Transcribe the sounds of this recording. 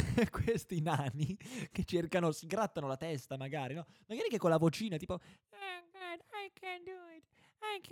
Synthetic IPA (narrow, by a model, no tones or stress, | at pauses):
kwest̪inaniket͡ʃːerkanosiɡɾat̪ːanolat̪ɛst̪amaɡaːɾinɔmaɡaːɾikekːolːavot͡ʃiːnat̪iːpo | aɡad̪ajkʰɛ̃nd̪uɪt̪ | ajk